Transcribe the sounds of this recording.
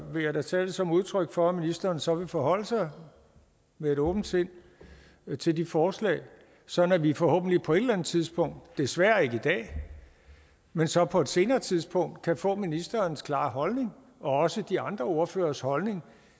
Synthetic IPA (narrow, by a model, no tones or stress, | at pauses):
ʋe̝jɑ̈ɪd̥æt͡sʰɛ̰ːld̥əsɒ̽muð̞ˠt͡sʰʁœɡ̥fɒ̽minisd̥ɐːnsɒ̽ʋe̝fɒɦɒ̽l̰əsɑ̈ɪ | mee̝ɾɔːb̥n̩d̥sʰe̝n̰ | t͡sʰe̝ld̥ifɒːslɛ̰ːɪ | sɒ̽dn̩æʋifɒ̽hɔ̰ːb̥̚n̩lipʰɒ̽e̝d̥lænð̩ˠt͡sʰið̞ˠsb̥ʰɔ̽ŋ̰d̥ːe̝sʋæːɐe̝ɡ̥əid̥ɛ̰ː | mensɒ̽pʰɒ̽e̝d̥se̝ːnɐːt͡sʰiðˠsb̥ʰɔ̽ŋ̰d̥kʰæfɔ̰̽ːminisd̥ɐːnskʰlɑ̈ːɦɒ̽lne̝ŋ | ɒ̽ɒ̽səd̥iɑ̈nd̥ʁɐo̝ɐfø̰ːɐshɒ̽lne̝ŋ